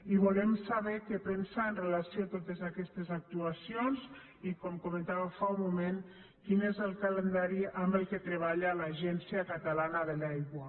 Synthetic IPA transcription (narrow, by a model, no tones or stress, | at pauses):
iβulɛmsaβɛkepensaenrelasjoat̪ot̪ezakɛst̪ezak̚t̪uasionz | ikɔmkumə̃nt̪aβamfaumumen | kinezəlˠkalend̪aɾiambəlˠket̪ɾeβ̞aʎalaʒɛnsiakat̪alanaðelajɣwa